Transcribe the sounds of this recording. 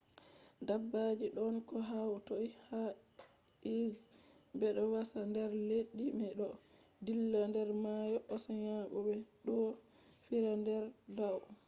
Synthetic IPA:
dabːad͡ʒiɗɔnkɔɦautoiha | izbɛɗɔwasandɛɾleɗːimɛɗɔ | dilːandɛɾmajɔʔɔsaɲaɓɔbɛɗɔ | fiɾandɛɾdaw

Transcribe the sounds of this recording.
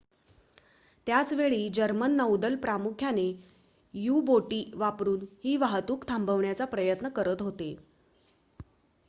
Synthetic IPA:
t̪jat͡sʋeɭiːd͡ʑəɾmənːəwd̪əlpɾamukʰjane | juboʈiːʋapɾuːnhiːʋaɦt̪uːkt̪ʰambəʋɳjat͡sapɾəjət̪nəkəɾət̪ɦot̪e

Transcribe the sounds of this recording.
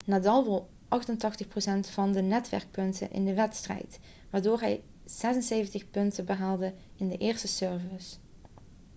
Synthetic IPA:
naːdɑlˠʋɔlˠ | ʔɑxtəntɑxtəxprowsɛntfɑndənɛtʋɛ̰ɹk̚pɵntə̰nʔɪ̰ndəʋɛtstrɛ̰jt | ʋaːɹdoːɹɦɛj | z̥ɛzənsejvəntəχpɵntəbəɦaːlˠdəɪndəʔɪːrstəsøɹvəs

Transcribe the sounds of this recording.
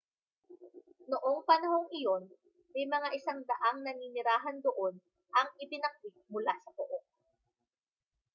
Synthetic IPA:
noʔoŋpɐnɐho̞ŋʔɪjo̞n | mɐjmɐŋaʔɪsaŋd̪ɐʔaŋnɐniːnɪɾaːɦɐnd̪oʔo̞n | ʔɐŋʔɪpɪnɐk̚bɪk̪̚mʊlasɐpoʔok̚

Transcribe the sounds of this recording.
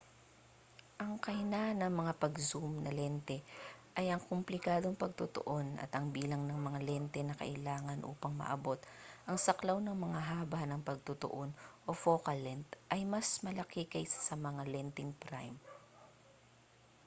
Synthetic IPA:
ʔɐŋkɐjnanɐmɐŋapɐɡsumnɐlɛnt̪ɛʔɐjʔɐŋkomplɪkaːd̪o̞ŋpɐɡ̚t̪ʊt̪o̰ʔo̞nɐ̰t̪ʔɐŋbiːlɐŋnɐŋmɐŋalɛnt̪ɛnɐkɐ̰ʔɪlaːŋɐnʔṵːpɐŋmɐ̰ʔɐbo̞t̪̚ʔɐŋsɐklawnɐŋmɐŋaɦaːbɐnɐŋpɐɡ̚t̪ʊt̪o̰ʔo̞nʔo̞foːkɐlːɛnt̪ʔɐjmɐsmɐlɐkɪkɐjsɐsɐmɐŋalɛnt̪ɪŋpɾa̰jm

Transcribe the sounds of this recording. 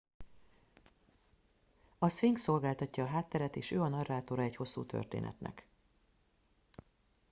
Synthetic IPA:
ɒsfiŋkso̞lɡaːlt̪ɒcːɒːɦaːt̪ːɛɾɛt̪eːʃøːɒnɒrːaːt̪o̞ɾɒɛcho̞sːṵːt̪ʰø̰rt̪ḛːnɛ̰t̪nʔɛ̰k

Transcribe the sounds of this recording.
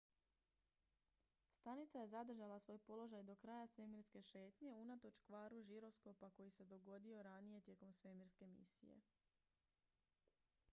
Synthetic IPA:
st̪anit̪saje̞zad̪r̩ʒalˠasʋo̞ːjpo̞lo̞ʒajd̪o̞kɾaːjasʋe̞miɾske̞ʃe̞ːt̪ɲe̞unat̪o̞t͡ʃkʋaːɾuʒiɾo̞sko̞pako̞jise̞d̪o̞ɡo̞d̪io̞ɾanije̞t̪je̞komsʋe̞miɾske̞mḭsḭjḛ

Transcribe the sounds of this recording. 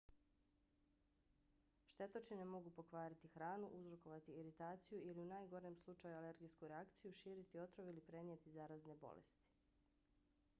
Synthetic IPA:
ʃt̪e̞t̪ot͡ʃinemo̞ɡupo̞kʋaːɾit̪ixɾaːnuʔuzɾo̞ko̞ʋat̪iːɾit̪aːt̪sijuiliunaːjɡo̞ɾemslˠut͡ʃajuale̞ɾɡijskuɾeakt̪sijuʃiːɾit̪io̞t̪ɾoʋilipɾeniet̪izaːɾazne̞bo̞̰lḛst̪i̥

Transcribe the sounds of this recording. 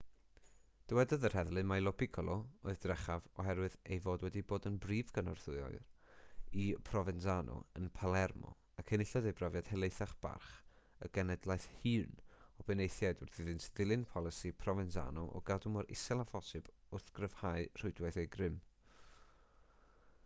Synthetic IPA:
d̥əwɛdɔðər̥hɛðlˠɨmajlˠɔbikʰɔlˠɔoɨðdrɛχavɔɦɛɾwɨðejvoːdwɛdiboːdənbriːvɡənɔrθʊɨɔ̰ɨr | ipʰrɔvɛnsanɔ̰ənpʰalˠɛrmɔ̰ | akʰənɪɬɔðejbrɔvjad̥hɛlˠejθaχb̥a̰rχ | ə̰ɡ̥ɛnɛdlˠajθhɨːnɔbɛnejθjajdʊrðɪðɨnsðɪlˠɨnpʰɔlˠɪsipʰrɔvɛnsa̰nɔʔɔ̰ɡadʊmɔɾɪ̰sɛlˠavɔsɨb̥ | ʊrθɡ̥rəv̥haɨr̥ʊɨdwɛθejɡrɪm

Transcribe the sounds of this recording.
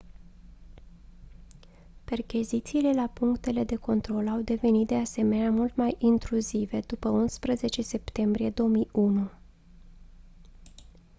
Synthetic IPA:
pe̞rkʲizit̪siːle̞lapuŋkt̪e̞le̞d̪e̞ko̞nt̪ɾo̞lawd̪e̞ve̞nit̪̚d̪e̞ase̞me̞neamult̪majʔint̪ɾuzive̞d̪upəunspɾəze̞t͡ʃe̞se̞pt̪e̞mbɾije̞d̪o̞omijunu

